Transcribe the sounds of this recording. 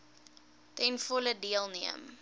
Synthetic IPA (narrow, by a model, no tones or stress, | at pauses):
tɛnfɔlədiəlˠniəm